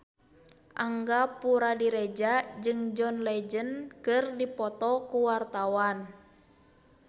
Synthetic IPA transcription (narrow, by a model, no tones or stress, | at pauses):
ʔaŋɡapuɾadiɾɛd͡ʒad͡ʒɨŋd͡ʒɔnlɛd͡ʒənkɨrdipɔt̪ɔkuwart̪awan